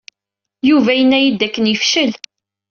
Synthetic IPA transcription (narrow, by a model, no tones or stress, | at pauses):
juvæjənːæjid̪ːækːənjəfʃəl